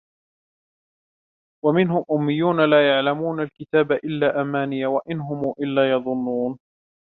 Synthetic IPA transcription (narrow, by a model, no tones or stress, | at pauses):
wamɪnɦʊmʔʊmːɪjːuːnalaːjaʕlamuːnalkɪt̪aːbaʔɪlːaːʔamaːnɪjawaʔɪnɦʊmuːʔɪlːaːjɑðˤʊnːuːn